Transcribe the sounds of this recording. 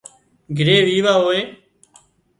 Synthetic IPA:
ɡʱɪɾeːʋiːʋaːɦoːeː

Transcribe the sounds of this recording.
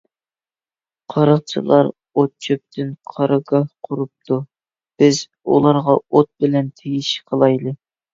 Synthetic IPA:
qʰɑɾɑχ̚t͡ʃʰɨlˠɑɾ | ot̪̚t͡ʃʰøp̚t̪ʰɪnqʰɑɾʔɑɡɑhqʰʊɾup̚t̪ʰu | b̥ɪz | ṵlˠɑɾʁɑot̪̚bɪlɛnt̪ʰeɡʲiʃqʰəlˠɑjlˠɨ

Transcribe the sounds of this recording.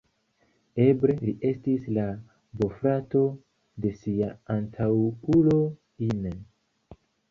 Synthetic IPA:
e̞bɾe̞liʔe̞stisla | bo̞fɾato̞ | de̞siaantʰawulo̞ | ine

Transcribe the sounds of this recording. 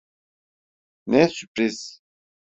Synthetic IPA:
nɛsypʼɾis

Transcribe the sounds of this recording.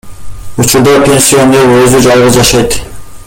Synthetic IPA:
ut͡ʃʰuɾd̪ɑpʰʲe̞nsijo̞neɾøzyd͡ʒɑlˠʁɯd͡ʒɑʃɑjt̪

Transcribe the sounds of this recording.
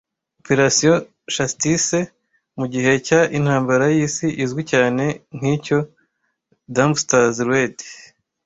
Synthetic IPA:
opeɾasijo | ʃastise | muɟiɦe̞caʔin̥haːmbaɾajiːsiʔizɡicaːne̞ŋ̥iːco̞ | damstazɾwed

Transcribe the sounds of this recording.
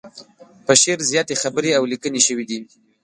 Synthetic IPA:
pəʃeɾzjɑt̪exabəɾeawlikəneʃəwid̪i

